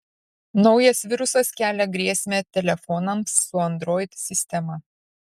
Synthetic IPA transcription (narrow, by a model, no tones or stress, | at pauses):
nɒʊjɛsʋʲɪɾʊsɐskʲæːlʲɛɡɾʲiɛsʲmʲeːt̪ʲɛlʲɛfɔnɐmsːʊɐnd̪ɾoːɪt̪ʲsʲɪsʲt̪ʲɛmɐ